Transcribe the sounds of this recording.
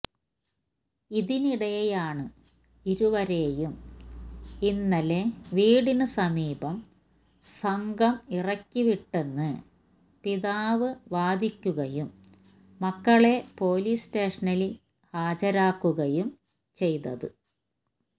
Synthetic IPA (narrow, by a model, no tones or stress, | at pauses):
iðiniɽɐjejaːɳɨ | iɾuʋɐɾe̞ːjum | inːɐleʋiːɽinɨsɐmiːbɐm | sɐŋɡɐmirɐkʲːiʋiʈːe̞nːɨ | piðaːʋɨʋaːd̪ikʲːuɣɐjumː | ɐkːɐɭe̞po̞ːlisteːʂɐnɐli | haːd͡ʑɐɾaːkːuɣɐjum | t͡ɕe̞jt̪ɐðɨ